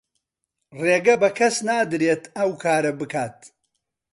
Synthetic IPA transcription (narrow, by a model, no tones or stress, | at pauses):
reːɡɐbɐkʰɐsnaːd̪ɨɾeːt̪ʰɐwkʰaːɾɐbɨkʰaːt̪̚